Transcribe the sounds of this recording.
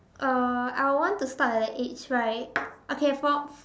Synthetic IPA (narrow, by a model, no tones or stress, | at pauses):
ʔʌa̰ɪwɔ̃ntustatɛdɛtet͡ʃɹaɪt̚ʔokʰefɔ